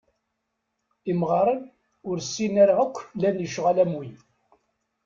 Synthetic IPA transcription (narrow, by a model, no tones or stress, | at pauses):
imʁɑɾˤən | ʊɾsːinæɾaʁəkʷːlænjəʃʁalæmwin